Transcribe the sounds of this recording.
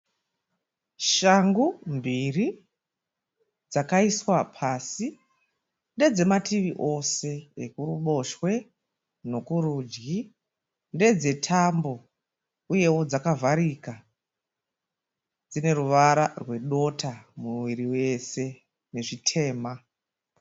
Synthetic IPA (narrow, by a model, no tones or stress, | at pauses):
ʃaŋɡumbiri | d͡zakaiswapʰasi | nde̞d͡ze̞matiʋiʔo̞se̞ekuruɓo̞ʃwe̞ | no̞kuɾuːd͡ʒɡi | nde̞d͡ze̞tʰambo̞ | uje̞wo̞d͡zakavʱaɾika | d͡zine̞ɾuʋaɾarwe̞ɗo̞tʰamuwiɾiwe̞se̞ | ne̞ʐitʰe̞ːma